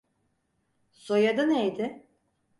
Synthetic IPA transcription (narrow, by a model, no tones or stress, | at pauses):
sojad̪anejd̪ɪ